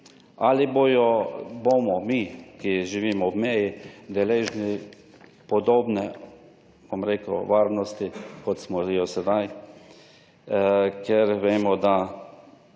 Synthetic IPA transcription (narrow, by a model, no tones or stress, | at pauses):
aliboːjɔbomɔmikiʒiʋiːmɔwmɛjid̪ɛleːʒni | pɔd̪oːbnɛ | b̥omɾeːkəwʋaːɾnɔst̪ikɔt̪smɔʒijɔsɛd̪aj | kʰɛɾʋeːmɔd̪a